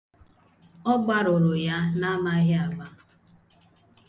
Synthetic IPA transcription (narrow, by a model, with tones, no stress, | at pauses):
ɔ˦ɡ͡ba˦ɾʊ˨ɾʊ˨ja˦na˦ma˦ɦɪ˦a˨ɡ͡ba˦